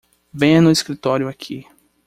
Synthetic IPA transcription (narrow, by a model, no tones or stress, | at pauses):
vẽj̃ɐ̃nʊiskɾit̪ɔɾjʊakʰi